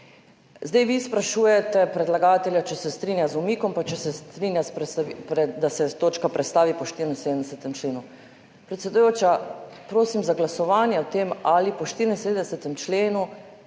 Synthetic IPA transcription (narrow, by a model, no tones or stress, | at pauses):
zd̪ɛjʋispɾaʃuːjɛt̪ɛpɾɛd̪laɡaːt̪ɛljat͡ʃɛsɛst̪ɾiːnjazumiːkɔmpat͡ʃɛsɛst̪ɾinjaspɾɛsapɾɛd̪asɛt̪oːt͡ʃkapɾɛt̪st̪aːʋipɔʃt̪iɾindsed̪ənd̪ɛsɛt̪ɛmt͡ʃleːnu | pɾɛt̪sʲɛd̪ujoːt͡ʃapɾoːsimzaɡlasɔʋaːnjɛɔt̪emalipɔʃt̪iɾinsed̪nɛsɛt̪ɛmt͡ʃleːnu